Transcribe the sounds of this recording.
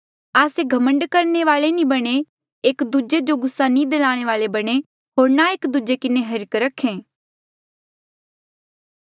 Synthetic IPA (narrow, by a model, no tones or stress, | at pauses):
aːseɡʱɐmə̃ɳɖkɐɾneʋaːɭenĩbɐɽ̃e | eːkd̪ud͡ʒed͡ʒoɡʊsːanĩd̪ɐlaːɽ̃eʋaːlebɐɽ̃e | ɦoːɾnaeːkd̪ud͡ʒekɪneɦɐɾkɾɐkʰːẽː